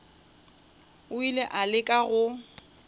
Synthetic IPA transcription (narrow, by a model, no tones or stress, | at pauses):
ʊileʔalɪkʼaɣʊ